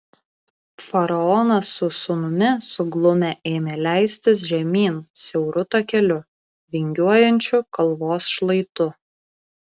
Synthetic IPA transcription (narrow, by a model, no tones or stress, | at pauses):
fɐɾɐɔnɐsːʊsʊnʊmʲɪsʊɡlˠʊmʲeʔeːmʲelʲæˑɪsʲt̪ʲɪs̬ʒʲɛmʲiːnsʲɛʊɾʊt̪ɐkʲɛlʲʊ | ʋʲɪŋʲɡʲuɔjɛnʲt͡ʃʲʊkɐlˠˑʋoːsʃlˠɐɪt̪ʊ